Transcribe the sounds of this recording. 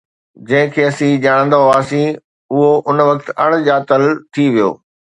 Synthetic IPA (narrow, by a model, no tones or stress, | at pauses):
d͡ʑɐ̃ɦɪ̃kʰeːɐsĩd͡ʑaːɽ̃ə̃nd̪oaːsĩ | ʊɦoʔʊnʋɐkt̪ɐɽ̃d͡ʑaːt̪əlt̪ʰiʋijo̰ː